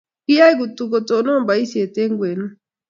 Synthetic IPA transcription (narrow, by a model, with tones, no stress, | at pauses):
kɪ˦ja˦i˦ɡu˨tu˨ko˨to˨no˦mba˨˦i˦sje˨te˦ŋɡwe˨nu˦